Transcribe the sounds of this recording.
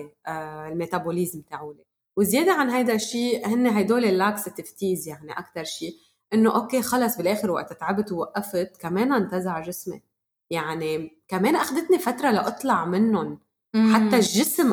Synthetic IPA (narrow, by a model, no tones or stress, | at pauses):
lmeːt̪aboliːzmːt̪aːʕule | wɪzjeːd̪aʕanɦajd̪aʃːiːhɪnːeɦajd̪oːlelːaːksɪt̪ɪft̪iːzjaʕniʔa̰kt̪ɑɾˤʃiː | ʔɪnːoʔoːkeːxɑlɑsˤbɪlʔeːxɪɾwa̰ʔt̪ɪt̪ʕabt̪wwaʔːafɪt̪kameːnaʔnt̪azaʕʒɪsmḛ | jaʕnikameːnʔaxd̪ɪt̪nifat̪ɾˤɑlaʔɨt̪ˤlɑʕmɪnːʊn | ħat̪ːaʒːɪsm